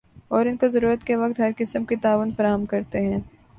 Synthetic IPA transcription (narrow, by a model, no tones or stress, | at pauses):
ɔːɾɪnkozɐɾuːɾət̪keʋɐk̚t̪ɦɐɾkɪsəmkit̪aːʋʊnfɐɾaːɦəmkɐɾt̪eɦɛ̃ː